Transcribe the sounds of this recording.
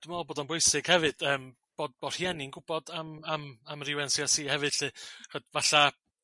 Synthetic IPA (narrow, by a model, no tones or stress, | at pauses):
d̥ɪmalˠboːdɔnbʊjsɪɡ̥hɛvɨd̥əːm | b̥oːd̚b̥ɔr̥hjɛninɡʊb̥ɔdamamamrɪwɛnsjɔsiːhɛvɨd̥ɬɨrədvaɬa